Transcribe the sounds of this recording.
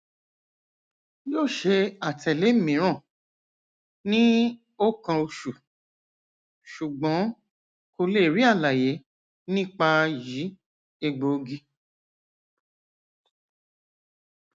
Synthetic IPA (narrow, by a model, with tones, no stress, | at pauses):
jo˦˨ʃe˧a˨tʰɛ˨le˨˦mĩ˨˦ɾ̃ã˦˨ | nĩ˦ | o˦kã˧o˧ʃu˨ | ʃu˨ɡ͡bɔ̃˨˦ | ko˧le˦˨ɾi˦a˦˨la˨je˨˦ | nĩ˦˨k͡pa˧ji˨˦ | e˧ɡ͡bo˨˧ɡi˦